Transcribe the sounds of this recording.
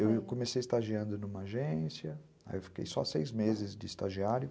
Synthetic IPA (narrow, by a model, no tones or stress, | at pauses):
ewkomesejist̪aʒiɐ̃nd̪ʊnũmɐaʒẽsjɐ | a̰ewfi̥kḛjsɔ̰sejzmezɪzd͡ʒɪist̪aʒiaɾjʊ